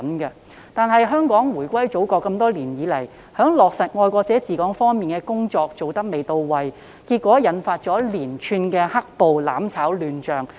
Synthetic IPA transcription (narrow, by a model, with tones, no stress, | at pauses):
nkɐ˧ | t̪aː˨nɦɐ˨jɦœː˥ŋkɔː˨˥ŋwuː˨˩jkʷɐ˥jt͡so˨˥wkɔː˧kːɐ˧mt̪ɔː˥liː˨˩njiː˨˧lɐ˨˩j | hœː˨˥ŋlɔː˨˩k̚sɐ˨˩t̚ŋɔː˧jkʷɔː˧k̚t͡sɛː˨˥t͡siː˨kɔː˨˥ŋfɔː˥ŋmiː˨˩nkɛː˧kʊ˥ŋt͡ʃɔː˧k̚t͡so˨wt̪ɐ˥k̚me˨jt̪o˧wwɐ˨j | kiː˧t̚kːʷɔː˨˥jɐ˨˥nfaː˧t̚t͡ʃɔː˨˥liː˨˩nt͡ʃʰyː˧nkɛː˧hɐ˥k̚po˨wla̰ː˨˥mt͡sʰaː˨˥wlyː˧nt͡ʃœː˨˩ŋ